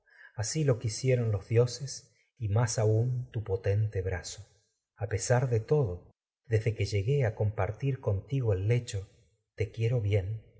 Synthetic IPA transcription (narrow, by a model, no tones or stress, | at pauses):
asilo̞kisje̞ɾo̞nlo̞zðjo̞ses | imasaunt̪upot̪e̞nt̪eβɾaso | ape̞saɾðet̪o̞ð̞o | ðezðekeʒe̞ɣe̞ako̞mpaɾt̪iɾko̞nt̪iɣoelːe̞t͡ʃo | t̪e̞kje̞ɾo̞βje̞n